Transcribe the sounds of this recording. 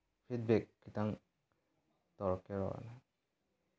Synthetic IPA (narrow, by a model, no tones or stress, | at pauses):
pʰid̚bɛkːitaŋ | t̪ɔɹɔkeɹɔ̰ɹa̰naj